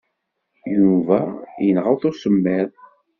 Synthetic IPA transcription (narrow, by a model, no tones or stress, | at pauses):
juvæjənʁəwθʊsəmːæɾ